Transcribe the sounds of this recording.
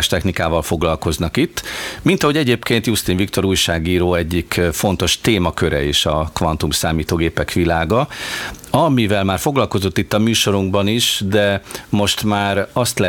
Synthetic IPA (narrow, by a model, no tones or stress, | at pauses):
ʃt̪ɛxnikaːvɒlfo̞ɡlɒlko̞znɒkit̪ːmint̪ɒɦo̞ɟɛɟeːpkeːnt̪just̪iɱvikt̪o̞ɾuːjʃaːɡiːɾoːɛɟːikfo̞n̪t̪o̞ʃt̪eːmɒkø̞ɾɛ̰eːʃɒkʋɒnt̪umsaːmiːt̪oːɡeːpɛkʋilaːɡɒ | ɒmivɛlmaːrfo̞ɡlɒlko̞zo̞t̪ːit̪ːɒmyːʃo̞ɾuŋɡbɒniʃd̪ɛmo̞ʃt̪maːɾɒst̪lɛ